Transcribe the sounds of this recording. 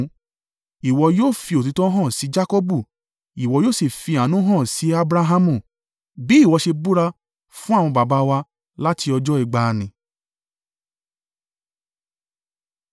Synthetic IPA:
i˨wɔ˧joː˦˨fi˧o˨t̬i˨˧tɔ̃˦ɦɔ̃˦˨si˨˦d͡ʒa˦ko˦bu˦˨ | i˨wɔ˧joː˦˨si˨fi˧a˨nũ˨˦ɦɔ̃˦˨si˨˦a˦bɾa˧ɦa˧mũ˦˨ | bi˨˦i˦˨wɔ˧ʃe˧bu˦ɾa˧ | fũ˦a˦˨w̃ɔ̃˧ba˨ba˧wa˧ | la˦ti˧ɔ˧d͡ʒɔ˦i˨ɡ͡ba˧nĩ˨

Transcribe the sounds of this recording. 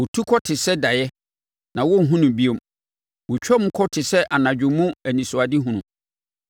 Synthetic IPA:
wʊ˨tʰu˦kʰɔ˦tʰɪ˨sɛ˦da˨jɛ˦ | nã˨wɔ˦n̩˨ɦũ˦nʊ̃˨bi˦o˨m | wʊ˨t͡ɕᶣɔ˦m̩˦kʰɔ˦tʰɪ˨sɛ˦ʔa˨nã˨d͡ʑᶣʊ̃˨mʊ̃˦æ˨nĩ˨sʊ˨a˨dɪ˦ɦũ˦nʊ̃˨

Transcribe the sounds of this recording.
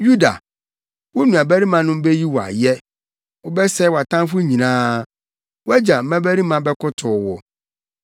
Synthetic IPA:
ju˦da̰˨ | wʊ˦nũ˨a˨bæ˦ɾi˦mã˨nʊ̃˦m˦bɛ˦ji˦wɔ˨a̰˨jɛ˦ | wʊ˦bɛ˦sɛ˦wa˨tʰã˦fʊ˦ɲĩ˨nãː˦ | wæ˦d͡ʑa˨m̩˦mæ̃˦bæ˦ɾi˦mã˨bɛ˦kʰʊ˦tʰʊː˨wɔ˨

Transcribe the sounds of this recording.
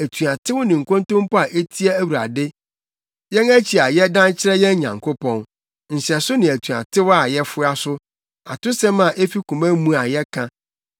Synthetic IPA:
æ˨tʰu˨a˨tʰɪ˦wʊ˦nɪ̃˨ŋ̩˨kʰõ˦ntõ˦m˦pɔ˦a˨ʔe˦tʰi˦ɛ˦æ˦wu˨ɾa̰˨dɪ˦ | jɛ̃˦næ˦t͡ɕʰi˨a˨jɛ˦dã˦n˦t͡ɕʰɪ˦ɾɛ˦jɛ̃˦ɲã̰˨ŋkʰʊ˦pʰɔ̃˦n | n̩˨ɕɛ˨sʊ˦nɪ̃˨æ˨tʰu˨a̰˨tʰɪ˦wa˨jɛ˦fʊ˦a˦sʊ˦ | a˨tʊ˦sɛ̃˦mã˨ʔe˦fi˦kʰũ˨mæ̃˦mũ˦a˨jɛ˦kʰã˦

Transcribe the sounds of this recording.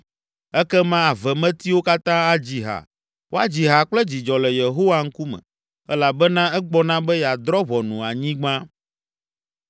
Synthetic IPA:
ɛ˦kɛ˦mã˦a˨vɛ˨mɛ̃˦t̪i˦wo˦ka˦t̪ã˦a˦d͡ʑi˨ɦa̰˨ | wo˦a˨d͡ʑi˨ɦa˨k͡plɛ˦d͡ʑi˨d͡ʒɔ˨lɛ˨je˨ɦo˦wa˦ŋ̩˦ku˦mɛ̰̃˨ | ɛ˦la˨bɛ˦nã˦ɛ˦ɡ͡bɔ˦nã˦bɛ˦ja˨d̪ɾɔ˦βɔ˨nũ˨a˨ɲĩ˦ɡ͡bã˦

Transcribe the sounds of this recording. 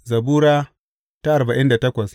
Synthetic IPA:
zɐ˨buː˦ɾaː˦ | ta˦ʔa˨ɾba˨ʔɪ˦nda˨tɐ˦kʷɐ˨s

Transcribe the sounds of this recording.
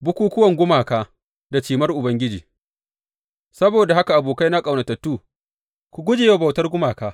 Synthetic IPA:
bʊ˦kʷuː˦kʷʊ˦wɐ˨ŋɡʷʊ˦maː˨kaː˦ | da˨t͡ʃiː˨mɐ˦rʔʊ˨bɐ˦ŋɡʲɪ˦d͡ʒḭː˨ | sɐ˦boː˨da˨ha˦ka˨ʔa˨boː˨ka˦jna˦kʼa˨wna˨tɐ˨tːuː˦˨ | kʷu˨ɡʷʊ˦d͡ʒe˨ja˦˨bɐ˨wtɐ˦rɡʷʊ˦maː˨kaː˦

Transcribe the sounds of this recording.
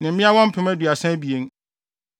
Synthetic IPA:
nɪ̃˨m̩˦mɪ̃˦a˦wɔ̃˦m̩˦pʰɪ̃˨˦mæ˦du˨a˨sɛ̃˦bi˨e˦n

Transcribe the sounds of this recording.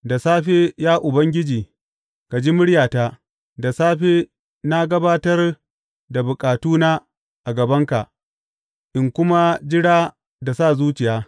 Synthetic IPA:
da˨saː˦ɸeː˦jaː˦ʔʊ˨bɐ˦ŋɡʲɪ˦d͡ʒiː˨ | ka˨d͡ʒi˦mʊ˦ɽjaː˨ta˦ | da˨saː˦ɸeː˦ | na˦ɡɐ˦baː˦tɐ˦r | da˨bʊ˨kʼaː˨tuː˦naː˦ | ʔa˨ɡɐ˨bɐ˦ŋka˨ʔ | ʔɪ˦˨ŋkʷʊ˦ma˦d͡ʒɪ˦ɽaː˦ | da˨sa˦˨zuː˦t͡ʃɪ˨jaː˦

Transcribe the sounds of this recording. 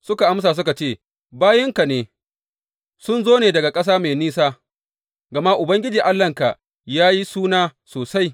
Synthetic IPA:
sʊ˦ka˨ʔa˦ms̬aː˨s̬ʊ˦ka˨t͡ʃeː˦˨ | baː˦jɪ˦ŋka˨neː˨ | sʊ˦nzoː˦neː˨dɐ˨ɡa˨kʼɐ˦s̬aː˦meː˨niː˦saː˦ | ɡɐ˨ma˦ʔʊ˨bɐ˦ŋɡʲɪ˦d͡ʒiː˨ʔa˦lːɐ˦ŋka˨ʔ | jaː˦ji˦suː˦naː˦soː˨sa˦j

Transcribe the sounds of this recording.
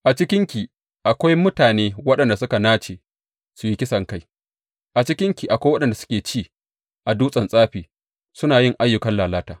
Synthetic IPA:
ʔa˨t͡ʃɪ˦kʲɪ˦ŋkʲi˨ | ʔa˨kʷa˦jmʊ˦taː˨neː˦wɐ˦ɗɐ˨nda˨sʊ˦ka˨naː˦t͡ʃeː˨ | su˨ji˦kʲɪ˦sɐ˨ŋka˦j | ʔa˨t͡ʃɪ˦kʲɪ˦ŋkʲi˨ʔa˨kʷa˦jwɐ˦ɗɐ˨nda˨sʊ˦kʲeː˨t͡ʃiː˦˨ | ʔa˨duː˦sʼɐ˨nsʼaː˦ɸiː˨ | sʊ˦naː˨jɪ˦˨ŋʔa˦jːʊ˨kɐ˦nlaː˨laː˦taː˨

